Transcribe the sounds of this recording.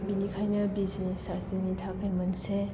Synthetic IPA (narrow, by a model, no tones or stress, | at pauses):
binikʰajnɐbizisasinitʰakʰajmɐnse